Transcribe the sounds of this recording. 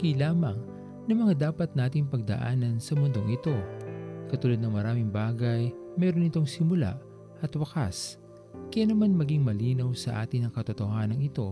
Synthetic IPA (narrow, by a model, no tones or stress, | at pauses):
kilaːmɐŋ | nɐmɐŋad̪aːpɐt̪̚naːt̪ɪŋpɐɡ̚d̪ɐ̰ʔa̰ːnɐnsɐmʊnd̪o̞ŋʔɪt̪o̞kɐt̪uːlɐd̪nɐŋmɐɾaːmɪŋbaːɡɐjmɛːɾonɪt̪o̞ŋsɪmʊla̰ʔ | ʔɐt̪wɐka̰s | kɐjaːnɐmanmɐɡiŋmɐliːnɐwsɐʔa̰ːt̪ɪnɐŋkɐt̪ʊt̪ohaːnɐŋɪt̪o̞